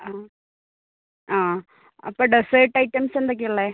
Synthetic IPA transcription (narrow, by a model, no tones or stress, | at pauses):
aː | aː | ɐpːoɖɨseʈːɐjʈːɐmsend̪ok̬ʲːiuɭːe